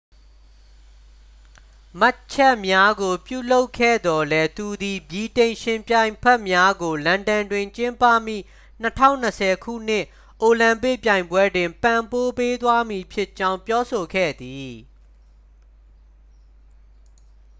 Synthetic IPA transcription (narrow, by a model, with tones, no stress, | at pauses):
ma˦t͡ɕʰɛ˦ʔmja˦ɡo˨pjṵ˦˨lo˦ʊkʰːɛ̰˦˨d̪ɔ˨lɛ˦t̪u˨d̪i˨bji˨tẽ˨ɪ̃ʃɪ̃˨mpjã˨ɪ̃mpʰɛ˦ʔmja˦ɡo˨lã˨ndã˨ndwɪ̃˨ɲt͡ɕɪ̃˦mpä̰˦˨mḭ˦˨ | n̥ətʰã̰˦˨ʊ̃nəsʰɛ˨kʰṵ˦˨n̥ɪ̰̃˦˨ʔ | ʔo˨lã˨mpɪ˦ʔpjã˨ɪ̃mbwɛ˦dwɪ̃˨mpã˨mpo˦pe˦t̪wa˦mi˨pʰjɪ˦ʔt͡ɕã˦ʊ̃mpjɔ˦so˨kʰɛ̰˦˨d̪i˨